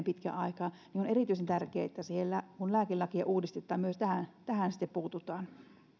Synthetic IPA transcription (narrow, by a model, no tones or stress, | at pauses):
mpit̪kæ̰ʔɑikɑ | nioneriˑt̪yisent̪ærkeæet̪ːæsihelːækunlæːkilɑkiɑ̰ʔuːdist̪et̪ːˑɑːmmyøst̪æhænt̪æhænsi̥t̪ːeppuːt̪ut̪ˑɑːn